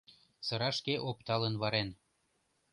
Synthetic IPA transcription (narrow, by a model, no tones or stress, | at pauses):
sɤ̆ɾɑʃkeʔopt̪ɑlənβɑɾen